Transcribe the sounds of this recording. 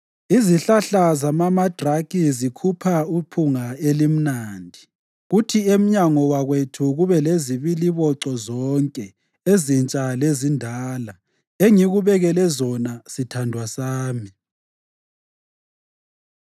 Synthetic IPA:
iziɬaɬazamamad̥ʱrakizikʰupʰaupʰuŋaelim̩naːndʱi | ɣutʰiem̩ɲaŋɔwaɣwetʰuɣuβɛleziβiliβɔǀɔzɔŋkʼɛ | ezint͡ʃʼalezindʱaːla | eŋiɣuβɛɣɛlɛzɔnasitʰandʱwasaːmi

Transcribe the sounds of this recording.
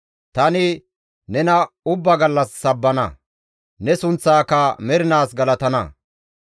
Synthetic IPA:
t̪ɐnɪ | nɛnɐʊbːɐɡɐlːɐsːɐbːɐnɐ̰ | nɛsʊnt͡sːaːkɐmɛɾɪnaːsɡɐlɐt̪ɐnɐ̰

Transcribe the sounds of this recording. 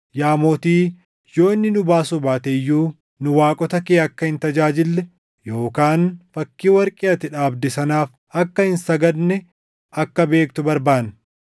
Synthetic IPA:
jaːmoːt̪iː | jo̞ːnːɪnʊbaːsʊbaːt̪ɛjːuː | nʊwaːkʼɔt̪ɐkeːɐkːɐhɪnt̪ɐd͡ʒaːd͡ʒɪlːɛ | jo̞ːkaːnfɐkːiːwɐɾkʼɪɐt̪ɪᶑaːbd̪ɪsɐnaːf | ɐkːɐɪnsɐɡɐd̪nɛ | ɐkːɐbe̞ːkt̪ʊbɐɾbaːn

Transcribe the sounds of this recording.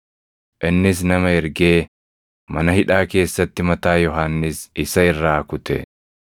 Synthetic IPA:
ʔɪnːɪs̬nɐmɐɛɾɡe̞ː | mɐnɐhɪᶑaːke̞ːsːɐt̪ːɪmɐt̪aːjɔɦanːɪsɪsɐɪrːaːkʊt̪ɛ̰

